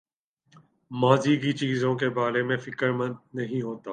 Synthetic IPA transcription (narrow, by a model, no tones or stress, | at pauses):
maːziɡit͡ʃiːzõkebaːɾemẽfɪkəɾmə̃nd̪nɐɦĩɦoːt̪aː